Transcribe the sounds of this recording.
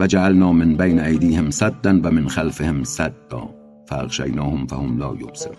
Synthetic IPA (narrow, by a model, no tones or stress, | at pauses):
vad͡ʒaʕalnɑːmɪnbejnaajd̪iːhemsad̪ːænvamɪnxalfehemsad̪̥ːɑ̰ː | fæa̰ɣʃa̰jnɑːhomfa̰homlɒ̰ːjo̰msḛɾ